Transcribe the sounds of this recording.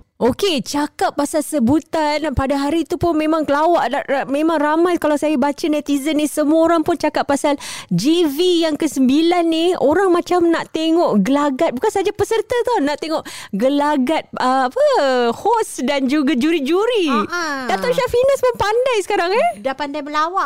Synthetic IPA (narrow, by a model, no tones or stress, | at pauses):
oket͡ʃakap̚pːasalsəbut̪anpadaɦaɾit̪upʊnmẽmãŋkəlawaʔaʔmẽmãŋramajkalawsajabat͡ʃanat̪izənːisəmuaoɾaŋpʊnt͡ʃakap̚pːasald͡ʒivijaŋkəsəmbilanːihoɾaŋmãt͡ʃamnaʔt̪eŋɔʔɡəlaɡat̪̚bukansaad͡ʒapəsərt̪at̪onaʔt̪eŋɔʔɡəlaɡat̪̚əapəhɔsdand͡ʒuɡad͡ʒuɾid͡ʒuɾidat̪ɔʃaʔfinasmənpandajsə̥kaɾaŋɛdapandajməlawaʔ